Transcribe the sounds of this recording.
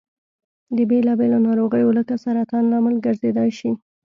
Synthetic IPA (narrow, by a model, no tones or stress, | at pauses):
d̪əbelɑbelonɑɾoɣəjoləkasaɾat̪ɑnlɑmɪlɡəɾzed̪ɑjʃi